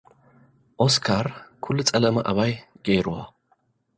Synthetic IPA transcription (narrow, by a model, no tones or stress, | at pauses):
ʔɔskʰaɾkʰʊlːt͡sʼɐlɐmɐʔɐβaj | ɡ̥eɾʊa̰